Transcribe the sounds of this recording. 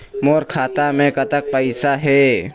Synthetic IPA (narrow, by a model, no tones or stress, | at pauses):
moːɾkʰaːt̪amẽkət̪ək̚pəɪsaɦɛː